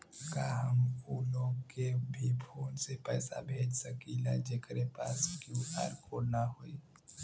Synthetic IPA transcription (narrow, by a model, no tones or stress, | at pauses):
kaɦəmuloːɡkebʱipʰoːnsepɛːsa̰bʱeːd͡ʒsəkila̰d͡ʒeːkɾepaːskjuʔa̰ːɾkonaɦoi